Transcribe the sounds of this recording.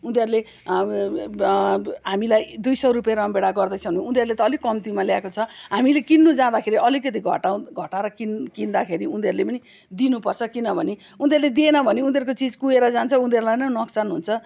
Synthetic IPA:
und̪eɾule | ɦamilajd̪ujsʌrupjaɾʌmbeɽaɡʌrd̪ʌjt͡sʰʌnĩund̪ʱeɾulet̪ʌːlikʌmt̪imaljakot͡sʰʌɦamilekinːud͡zãd̪akʰeɾiʔʌlikʌt̪̬iɡʱʌ̰ʈaɡʱʌʈaɾʌkinkind̪akʰeɾiund̪eɾulepʌni | d̪inupʌrt͡sʰʌkinʌbʱʌne | und̪ʱeɾuled̪ienʌbʱʌneund̪ʱeɾkot͡sid͡zkueɾʌd͡zant͡sʰʌund̪ʱeɾulajnʌnʌksanɦunt͡sʰʌ

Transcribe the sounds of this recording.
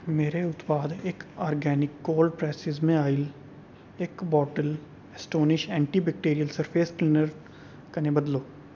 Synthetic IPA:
meːɾeʊt̪paːd̪eːkɔːɾɡɛːnɪkːoːlpɾɛːsɪzmẽaːɪl | ekbɔːʈəl | ɛsʈoːnɪʃɛ̃ːɳʈibɛk̚ʈeːɾijəlsəɾpʰeːsʈlɪnəɾ | kɐnebɐd̪loː

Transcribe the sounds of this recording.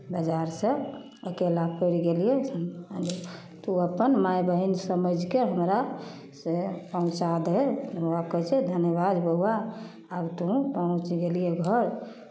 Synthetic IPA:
bəd͡ʒaɾsə̃ | okelapəɾiɡelijesd͡ʒ | t̪uəpənmajbəɦinsəməd͡ʒʱkeɦəmɾa | sepəɦũt͡ʃad̪ɦeəakət͡ʃʰed̪ʱənjəβad̪bəɦuwaː | bt̪uũpəɦũt͡ʃɡelijeɡʱəɾ

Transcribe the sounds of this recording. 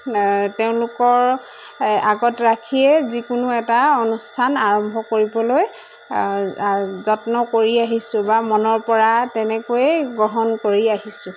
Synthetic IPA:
teʊ̃lʊkɔɹ | aɡɔtɹakʰiɛzikunuɛtaonustʰanaɹɔmbʱɔkoɹibɔloj | zɔtnɔkoɹiaɦisʊ̃bamɔnɔɹpɔɹatɛnɛkojɛɡɹɔɦɔnkoɹiaɦisʊ̃

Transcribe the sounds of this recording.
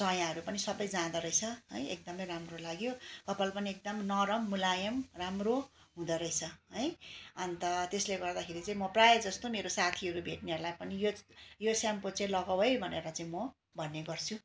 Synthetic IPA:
sʌjãɦʌɾupʌnisʌbʌjd͡zãd̪ʌɾʌjt͡sʰʌɦʌ̰jek̚d̪ʌmʌjɾamrolaɡjokʌpalpʌniek̚d̪ʌmnʌɾʌmːulajʌmramro | ɦũd̪ʌɾʌit͡sʰʌɦʌjʌnt̪ʌt̪esleɡʌrd̪akʰeɾit͡saĩmʌprajed͡zʌst̪omeɾosat̪ʰiʌɾubʱeʈniɦʌɾulajpʌnijojosamkot͡selʌɡawɦʌjbʱʌneɾʌt͡saĩmʌ | bʱʌnːeɡʌrt͡sʰu

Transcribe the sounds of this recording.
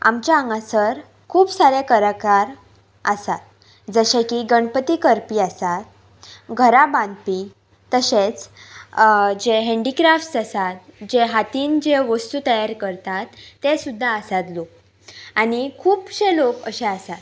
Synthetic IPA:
a̰mt͡ɕjaəŋɡasəɾ | kʰuːpsaɾekəɾakaɾ | əsat̪̚ | d͡zəɕekiɡəɳpət̪ikəɾpiːasat̪̚ | ɡʱəɾabãnd̪̚pi | t̪əɕet͡s | d͡ʑeɦeɳɖikɾafʈsasat̪̚d͡ʑeɦat̪iːnd͡ʑeʋəst̪ut̪əjaɾkəɾt̪at̪ːesud̪ʱːaəsat̪lok̚ | aɽ̃ikʰuːpɕẽlokə̰ɕẽasat̪

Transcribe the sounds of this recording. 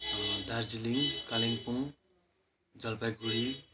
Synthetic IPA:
d̪aɾd͡ziliŋkaliŋpuŋ | d͡zʌlpajɡuɽi

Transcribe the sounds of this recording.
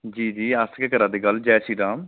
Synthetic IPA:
d͡ʒiːd͡ʒiːaskekəɾãːd̪eːɡəld͡ʒɛːsiːɖãːm

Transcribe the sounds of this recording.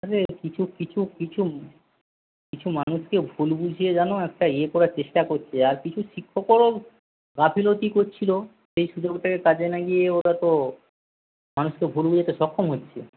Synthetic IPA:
aɾekit͡ɕʰukit͡ɕʰukit͡ɕʰu | kit͡ɕʰumanuʃkebʱulbud͡ʑʱied͡ʑanoɛk̚ʈaiekɔɾaɾt͡ɕeʃʈakoɾt͡ɕʰeaɾkit͡ɕʰuʃikʰːokoɾo | ɡapʰilot̪ikoɾt͡ɕʰilo | ʃejʃud͡ʑoɡʈakekad͡ʑʰenaɡijeoɾat̪o | manuʃkebʱulbud͡ʑet̪eʃɔkʰːomɦotːɕʰe

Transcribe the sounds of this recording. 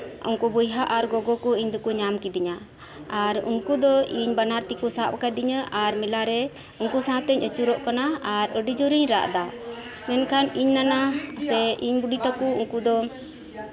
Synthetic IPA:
ṵŋkubujɦaʔaɾɡɔɡɔkuiɲd̪ɔkuɲamkid̪iɲa | aɾṵŋkud̪ɔiɲbanaɾt̪ikusapkad̪iɲəʔaɾmilaɾɛ | uŋkusaat̪əɲət͡ʃuɾɔʔkanaaɾəɖid͡ʒɔɾiɲɾa̰ʔd̪a | mɛnkʰaniɲnanasɛiɲbuɖit̪akuuŋkud̪ɔ

